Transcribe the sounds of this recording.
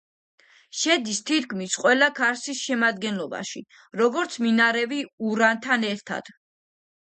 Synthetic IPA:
ʃɛd̪ist̪ʰit̪kʰmisqʼwɛlakʰaɾsisʃɛmad̪ɡɛnlɔba̰ʃi | ɾɔɡɔɾt̪sʰminaɾɛviuɾant̪ʰanɛɾt̪ʰa̰d̪̥

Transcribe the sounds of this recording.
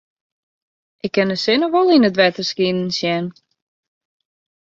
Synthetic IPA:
ʔɪkʰːɪnəsɪnəʋolˠinətʋɛtərskinn̩sjɛn

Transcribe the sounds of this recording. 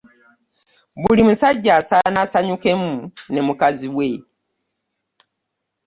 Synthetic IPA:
βulimusaɟːasanasaɲuke̞mune̞mukaziwe̞

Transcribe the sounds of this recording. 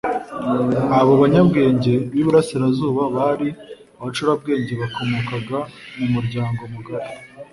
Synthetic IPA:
aβo̞βaɲabɡe̞ːɲɟe̞βiβuɾasiɾazuːβaβaɾi | aβat͡ʃuɾab̚ɡe̞ːɲɟe̞βako̞mokaɡamumuɾɟaːŋɡo̞muɡaɾe

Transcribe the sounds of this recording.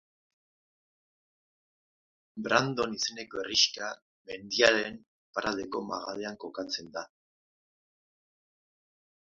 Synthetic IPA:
bɾand̪o̞nise̞ne̞ko̞eriʃka | me̞nd̪iaɾen | paɾʔald̪e̞ko̞ma̰ɣale̞aŋko̞kat͡se̞nd̪a

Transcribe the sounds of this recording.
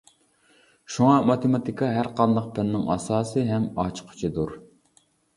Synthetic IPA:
ʃuŋɑmɑt̪emɑt̪ikʰɑɦæɾqʰɑnd̪ɑq̚pʰɪnnɪŋɑ̰sɑːsɨɦɛmɑt͡ʃʰqʰʊ̥t͡ʃʰid̪uɾ

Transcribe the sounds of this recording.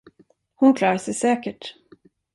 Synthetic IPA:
hʊnkʰlɑːɾasɛjsɛːkəʈ

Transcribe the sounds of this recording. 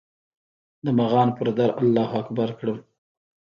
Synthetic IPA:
d̪əmaɣɑnpəɾd̪aɾalːɑhakbaɾkɽəm

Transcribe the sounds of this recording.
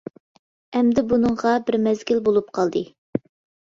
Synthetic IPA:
ɛmd̪ɪbunɨŋʁɑbɪɾmɛzɡʲilbolˠup̚qʰɑlˠd̪ɨ

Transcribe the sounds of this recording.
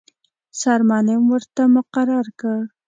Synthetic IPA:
saɾmɑnamwəɾt̪amʊqɑɾɑɾka

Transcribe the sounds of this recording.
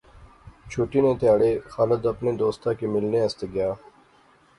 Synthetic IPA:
t͡ʃʰuːʈiːnẽːt̪jaːɽeːxaːləd̪əpneːd̪oːst̪ãːkeːmɪlneːəst̪eːɡɪjaː

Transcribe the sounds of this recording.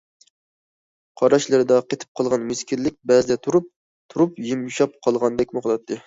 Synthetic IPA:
qʰɑɾɑʃlˠɨɾɨd̪ɑqʰet̪ʰɪ̥p̚qʰɑlˠʁɑnmɪskʲiɾlɪk̚ʲbɛzɪd̪ɛt̪ʰuɾup̚ | t̪ʰuɾupjimuʃɑp̚qʰɑlˠʁɑnd̪ɛkʲmʊχlˠɑt̪ʰːɨ

